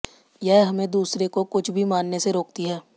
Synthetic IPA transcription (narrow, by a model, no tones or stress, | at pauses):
jɛɦɦɐmẽd̪uːsɾekokʊt͡ʃʰbʱimaːnːeseɾoːk̚t̪iɦɛː